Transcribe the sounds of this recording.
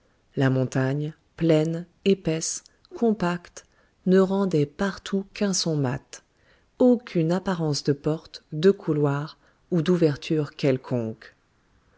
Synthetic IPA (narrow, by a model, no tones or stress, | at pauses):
lamɔ̃t̪aɲ | plɛn | epɛs | kʰɔ̃pakt̪ | nəʁɑ̃d̪ɛpaʁt̪ʰukɛ̃sɔ̃mat̪ | okʲʰynapaʁɑ̃sd̪əpɔʁt̪d̪əkʰulwaʁ | ud̪uvɛʁt̪ʰyʁkʲɛlkʰɔ̃k